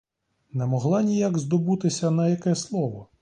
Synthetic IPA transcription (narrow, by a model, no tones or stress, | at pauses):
nɛmɔɦlˠɑnʲijaɡzd̪ɔbut̪ɪsʲɐnɐjɐkɛslˠɔʋɔ